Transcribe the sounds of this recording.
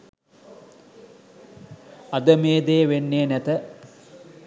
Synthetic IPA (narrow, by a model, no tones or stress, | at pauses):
ad̪əmeːd̪eːʋenːeːnæt̪ə